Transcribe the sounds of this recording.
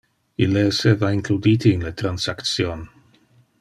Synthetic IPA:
ileːsevaiŋklud̪it̪iːnlet̪ɾansakt̪sjon

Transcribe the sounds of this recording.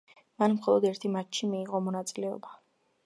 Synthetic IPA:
manmχɔlˠɔd̪ɛɾt̪ʰimat͡ʃʃimiːʁɔmɔnat̪sʼilɛɔ̰ba

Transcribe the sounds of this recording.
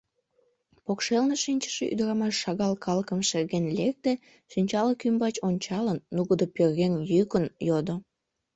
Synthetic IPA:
pokʃelneʃinʲt͡ɕə̥ʃeʔy̰d̪əɾɑmɑʃːɑɣɑlkɑləkəmʃerɣenlek̚t̪e | ʃinʲt͡ɕɑləkymbɑt͡ɕonʲt͡ɕɑlənːuɣəd̪opørɣenjykənjod̪o

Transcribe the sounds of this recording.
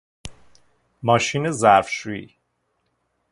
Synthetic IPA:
mɒːʃiːnezæɾfʃuḭ

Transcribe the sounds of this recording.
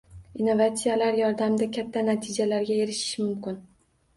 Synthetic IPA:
inːovat̪sijalaɾjɒɾd̪amd̪akʲʰat̪ʰːanat̪ʰɪd͡ʒalaɾɡʲaeɾɪʃɪ̥ʃmʊmkʲɪn

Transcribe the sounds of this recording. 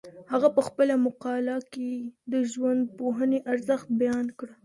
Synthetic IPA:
haɣapəxpəlamʊqɑlɑked̪əʒwand̪̚poɦəneʔaɾzəxt̪̚bajɑnkɽə

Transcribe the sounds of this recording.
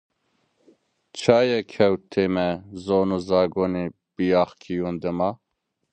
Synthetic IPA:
t͡ʃʰaːjɛkʰɛwt̪ʰːemɛzonuzaːɡoni | b̥ijaːχkʲʰijund̪ɨma

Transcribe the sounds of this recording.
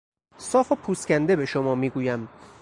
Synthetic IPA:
sɒːfopʰuːscʲænd̪e̞be̞ʃomɒːmiːɡuːjæm

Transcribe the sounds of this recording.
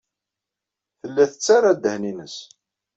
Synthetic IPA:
θəlːæθət͡sːarˤad̪əhninəs

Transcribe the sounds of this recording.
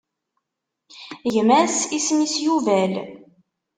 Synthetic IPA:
jəmæsismisjuvæl

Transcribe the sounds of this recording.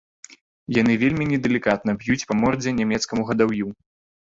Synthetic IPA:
janɨvʲelʲmʲinʲɛd̪ɛlʲikat̪nɐbjut͡sʲpɐmɔrd͡zʲɛnʲamʲɛt̪skɐmuɣɐd̪awju

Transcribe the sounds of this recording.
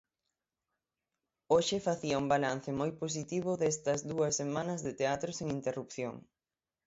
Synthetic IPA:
oʃɪfaθiɐuŋbalan̟θɪmojpos̬it̪iβ̞ʊðest̪ɐzðuɐsːemanɐzðɪt̪eat̪ɾʊseŋint̪erupθjo̰ŋ

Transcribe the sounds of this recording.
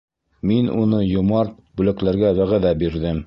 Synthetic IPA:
minṵnɤjŏmɑɾt̪̚bʉlæklæɾɡæwæʁæðæbiɾðɘm

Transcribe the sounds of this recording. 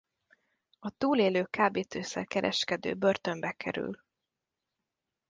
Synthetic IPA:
ɒt̪uːleːløːkaːbeːt̪eːsɛ̰rkɛɾʔɛ̰ʃkɛd̪ø̰ːbø̞rt̪ø̞mbɛkʰɛ̰ɾy̰l

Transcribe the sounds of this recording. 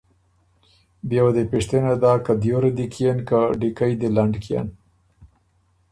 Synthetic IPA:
bjawad̪epeʂt̪enad̪ɑkad̪joɾad̪ikʰijenkaɖikajd̪elaɳɖkija̰n

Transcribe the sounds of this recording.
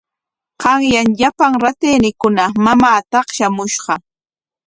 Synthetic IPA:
qɑŋjaŋʎapaŋɾat̪eːnɪkʊnamamaːt̪ɑχʃamʊʃɢɑ

